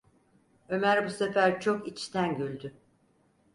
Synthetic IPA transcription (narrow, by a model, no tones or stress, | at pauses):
ø̞mæɾbusefæɾt͡ʃʰokit͡ʃt̪ʰænɟølʲd̪y